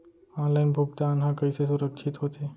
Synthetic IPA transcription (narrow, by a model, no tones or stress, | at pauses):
ɔ̃nlaɪnbʱʊɡ̚d̪aːnɦãkəɪsesʊɾəkʃʰit̪ɦot̪e